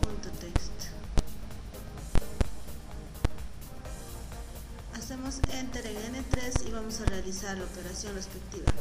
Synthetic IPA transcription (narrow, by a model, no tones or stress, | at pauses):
punt̪ot̪ekst̪ | ase̞mo̞sent̪eɾeŋenet̪ɾe̞siβamo̞sarealisaɾlaope̞ɾasjo̞nrespek̚t̪iβa̰